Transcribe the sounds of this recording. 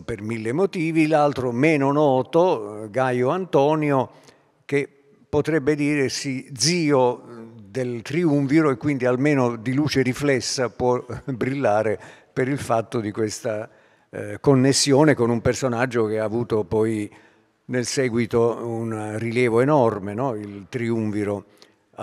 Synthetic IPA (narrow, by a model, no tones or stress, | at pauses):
permilːemot̪iːvilalt̪ɾomɛːnonɔːt̪oɡajoant̪ɔːnjo | k̟e | pːot̪ɾɛbːed̪iːɾesid̪ziːod̪elt̪ɾiuɱviɾoekːwind̪ialmeːnod̪iluːt͡ʃeɾiflɛsːapwɔbɾilːaːɾe | peɾilfat̪ːod̪ikwest̪a | konːesːjoːnekonumpersonad͡ʒːok̟eaːvuːt̪opɔj | nelsɛːɡwit̪ounriljɛːvoenɔrmenɔilt̪ɾiuɱfiɾo